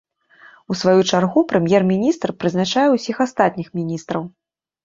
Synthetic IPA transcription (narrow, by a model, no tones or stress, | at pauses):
usvajut͡ʂarɣupɾɨmʲjɛrmʲinʲist̪rpɾɨznat͡ʂajɛwsʲixast̪at̪ʲnʲixmʲinʲist̪ɾɐw